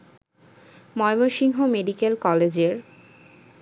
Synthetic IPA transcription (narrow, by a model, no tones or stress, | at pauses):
mɔemoʃiŋɦomeɖikelkɔled͡ʑeɾ